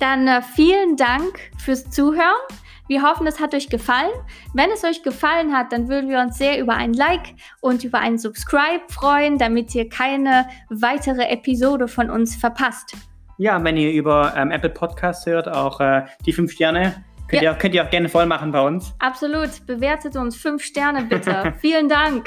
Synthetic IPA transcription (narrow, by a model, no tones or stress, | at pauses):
d̥anfiːləndaŋkfyːɐst͡suːɦøːʁən | viːɐɦɔfn̩ɛshatʔɔʏçɡ̥əfalənvɛnɛsʔɔʏçɡ̥əfalənɦat̚d̥anvʏɐdn̩viːɐʊnsz̥eːɐʔyːbɐʔa̰ɪnənlaɪk | ʔʊntʔyːbɐʔa̰ɪnənzʊpskʁ̥aɪpfʁ̥ɔʏəndamɪtʔiːɐkʰaɪnəvaɪtʰəʁəʔɛpʰizoːdəfɔnʊnsfɛɐpʰast | jaːvɛniːɐʔyːbɐʔɛːmʔɛpl̩pʰɔtkʰaːst͡sshøːɐtaʊxʔɛːd̥iːfʏnfʃtɛɐnə | kʰœtiːɐaʊkʰœntiːaʊɡ̥ɛɐnəfɔlmaχn̩baɪʊnsʔapz̥oluːtb̥əveːɐtʰətʊnsfʏnfʃtɛɐnəbɪtʰəfiːləndaŋk